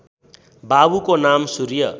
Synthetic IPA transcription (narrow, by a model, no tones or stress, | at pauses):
babukonamsuɾjʌ